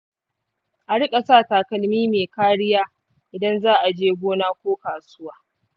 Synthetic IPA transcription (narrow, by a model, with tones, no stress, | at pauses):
ʔa˨ɽɪ˦kʼɐ˨saː˦˨taː˨kɐ˨lmiː˦meː˨kaː˦ɽɪ˦jaː˦ | ʔɪ˨dɐ˦nzaː˦ʔa˨d͡ʒeː˦ɡʷoː˦naː˦kʷoː˦kaː˨sʊ˦waː˦